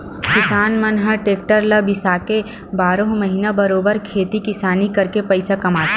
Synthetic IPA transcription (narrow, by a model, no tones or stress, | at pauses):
kɪsaːnmɐnɦəʈeːk̚ʈəɾlɐbɪsaːke | baːɾõɦmɐɦinabɐɾoːbəɾkʰeːt̪ikɪsaːnikɐɾkepɐɪsakɐmaːt̪ː